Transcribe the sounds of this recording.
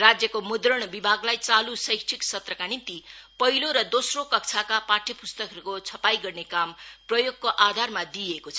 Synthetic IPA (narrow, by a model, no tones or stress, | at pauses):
rad͡zjʌkomud̪rʌɽ̃bibʱaɡlajt͡salusʌjsʈʰiksʌt̪rʌkanint̪ipʌɦiloɾʌd̪osrokʌk̚t͡sʰakapaʈʰʌpust̪ʌkɦʌɾukot͡sʰʌpajɡʌrnekamprʌjoɡ̚koʔad̪ʱarmad̪iekot͡sʰʌ